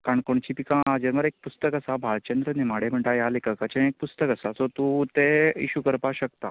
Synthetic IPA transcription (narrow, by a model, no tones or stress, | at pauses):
kaɳkoɳt͡ɕipikãad͡ʑəɾməɾek̚pust̪əkəsabʱalt͡ɕənd̪ɾənemaɽem̤əɳʈajalekakat͡ɕẽek̚pust̪əkəsat͡sɔt̪ũt̪eḭɕukəɾpaɕək̚t̪a̰